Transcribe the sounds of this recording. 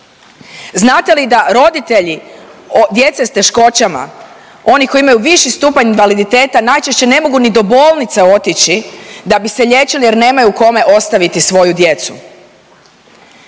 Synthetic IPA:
znaːt̪e̞lid̪aɾo̞d̪it̪e̞ʎi | d̪je̞t̪se̞st̪e̞ʃko̞t͡ɕama̰ | o̞niko̞iimajuʋiʃist̪uːpaninʋalid̪it̪e̞ːt̪anajt͡ʃeʃt͡ɕe̞ne̞mo̞ɡunid̪o̞bo̞ːlˠnit̪seo̞t̪it͡ɕid̪abise̞ʎe̞t͡ʃilije̞ɾne̞ːmajuko̞me̞ʔo̞st̪aʋit̪isʋo̞jud̪je̞t̪su

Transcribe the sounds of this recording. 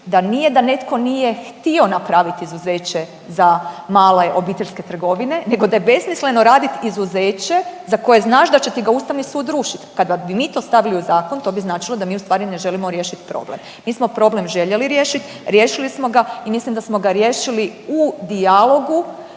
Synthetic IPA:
d̪anije̞d̪ane̞t̪ko̞nije̞xt̪io̞napɾaʋit̪izuzeːt͡ɕe̞ | zamaːle̞ʔo̞biːt̪e̞ʎʲske̞t̪r̩ɡo̞ʋine̞ne̞ɡo̞d̪ajebe̞smisle̞no̞ɾaːd̪it̪izuzeːt͡ɕe̞zako̞je̞znaːʃd̪at͡ɕe̞t̪iɡauːst̪aʋnisuːd̪ːɾuːʃit̪kad̪abimiːt̪o̞ːst̪aʋiliuzaːko̞nt̪o̞biznaːt͡ʃilˠod̪amiːust̪ʋaːɾine̞ʒe̞limo̞ɾjeʃit̪pɾo̰blḛmːiːsmo̞pɾo̞ble̞mʒe̞ʎe̞liɾjeːʃit̪ | ɾjeːʃilismo̞ɡaimislimd̪asmo̞ɡaɾjeːʃiliud̪ialˠo̞ɡu

